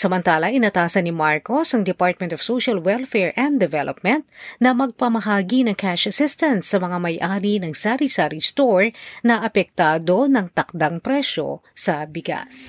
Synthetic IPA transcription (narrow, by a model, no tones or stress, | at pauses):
sɐmɐnt̪aːlɐʔɪnɐt̪aːsɐnɪmaɹkosɐŋd̪ɛpaɹt̪̚mɛ̃nt̪ɔfsoʃɐlwɛlfɛɹʔɛ̃nd̪d̪ɛvɛlʔop̚mɛ̃nt̪̚nɐmɐɡ̚pɐmɐɦaːɡinɐŋkʰaʃɐsɪst̪ɐnsːɐmɐŋamɐjʔaːɾinɐŋsaɾisaɾist̪oɹnɐʔɐpɛk̚t̪aːd̪o̞nɐŋt̪ɐk̚d̪aŋpɾɛʃo̞̰sɐbɪɡa̰s